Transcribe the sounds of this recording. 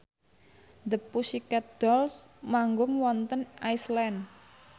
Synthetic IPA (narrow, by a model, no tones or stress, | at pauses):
d̪əpusikad̪̥ɔlsmaŋɡʊŋwɔnt̪ənaislɛn